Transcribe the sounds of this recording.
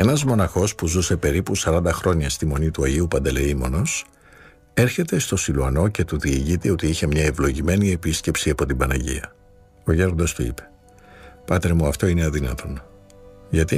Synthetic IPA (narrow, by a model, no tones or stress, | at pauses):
e̞nɐzmo̞nɐxo̞spuzuse̞pe̞ɾipusɐɾɐnd̪ɐxɾo̞ɲɐst̪imo̞nit̪uɐʝiupɐnd̪eleimo̞no̞s | e̞ɾçe̞t̪e̞st̪o̞siluɐno̞ce̞t̪uðiːʝit̪eo̞t̪iiçe̞mɲɐevlo̞ʝime̞nie̞pisce̞psiɐpo̞t̪ibɐnɐʝḭɐ | o̞ʝe̞ɾd̪o̞st̪uḭpe̞̥ | pɐt̪ɾemuɐft̪o̞ineɐðinɐt̪ʰo̞n | ʝɐt̪i